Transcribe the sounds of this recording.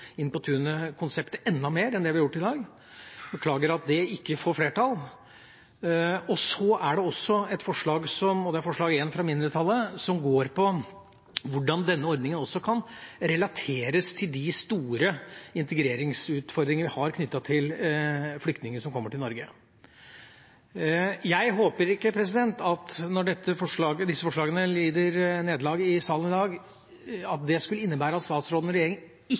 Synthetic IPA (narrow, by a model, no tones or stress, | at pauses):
ɪnpʊt̪ʰʉːnəkʰʊnsɛpt̪əɛnd̪ɑmeːɾɛnd̪ɛʋɪɑjʊʈːɪd̪ɑːɡ | bəkʰlɑːɡəɾɑt̪̚d̪ɛɪkːəfoːɾfleːʈɑl | ɔsɔæɖɛɔsːɔɛt̪fɔʂɭɑːɡsɔmɔd̪ɛæɾfɔʂɭɑːɡeːnfɾɑmɪnd̪əɾət̪ʰɑlːəsɔmɡoːɾpʰɔ | ʋʊɖɑnd̪ɛnːəɔɾd̪nɪŋənɔsːɔkʰɑnɾɛlɑt̪ʰeːɾəst̪ʰɪld̪ɪst̪uːɾəɪnt̪əɡɾeːɾɪŋsʉːt̪fɔɾd̪ɾɪŋəəʋɪhɑɾkʰnʏt̪ːɑt̪ʰɪlflʏkt̪nɪŋənəʂɔmkʰɔmːəʈɪlnɔɾɡə | jæɪɦoːpəɾɪkːəpʰɾɛs̬ɪd̪ɛnt̪ɑt̪nɔɖɛt̪ʰːəfɔʂɭɑːɡəd̪ɪsːəfɔʂɭɑːɡənəliːd̪əɾneːd̪lɑːɡɪsɑːlənɪd̪ɑːɡ | ɑt̪̚d̪ɛskʉləɪnːəbæːɾəɑt̪st̪ɑːt̪sɾoːd̪ənɔɾɛjeːɾɪŋə | ɪ